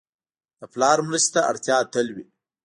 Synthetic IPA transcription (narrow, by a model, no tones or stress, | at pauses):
d̪̥əplɑɾmɾəst̪aa̰ɽt̪jɑːt̪əlwi